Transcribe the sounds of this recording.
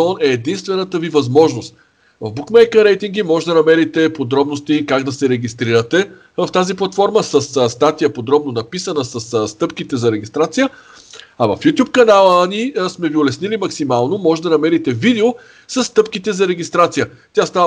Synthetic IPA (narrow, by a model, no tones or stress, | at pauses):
ɔnɛːd̪inst̪vɛnət̪əvivɐzmɔʒnost̪ | vɐvbukmɛjkəɾɛjt̪iŋɡimɔʒɛd̪ɐnɐmɛɾit̪ɛpod̪ɾɔbnost̪ikaɡd̪ɐsɛɾɛɡʲist̪ɾiɾət̪ɛ | vɐft̪aziplˠɐt̪fɔɾməsɐsst̪at̪ijəpod̪ɾɔbnonɐpisənəsɐsst̪ɤpkit̪ɛzɐɾɛɡʲist̪ɾat̪sijə | ɐvɐ̰fjut̪ʲjup̚kɐnalˠənismɛviolɛsnilimɐksimalˠnomɔʒɛd̪ɐnɐmɛɾit̪ɛvid̪ɛo | sɐsːt̪ɤpkit̪ɛzɐɾɛɡʲist̪ɾat̪sijə | t̪ʲast̪av